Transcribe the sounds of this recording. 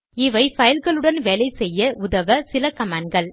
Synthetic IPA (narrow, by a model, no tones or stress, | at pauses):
ɪʋɐɪfɐjɪlɣɐɭɯɽɐnʋɛlɐɪsɛjːɐʔʊðɐʋɐsɪlɐkɐmaːnɡɐɭ